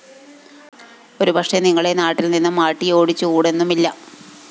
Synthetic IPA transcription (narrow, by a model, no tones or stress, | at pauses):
o̞ɾubʱɐkʂeniŋːɐɭe̞naːʈːilninːumːaːʈːijo̞ːɽit͡ɕːukuːɽe̞nːumilːɐ